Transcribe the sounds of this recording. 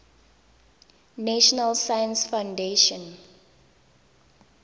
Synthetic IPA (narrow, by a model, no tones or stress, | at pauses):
næʃɔnəlsajə̃nsfãʊndeʃə̃n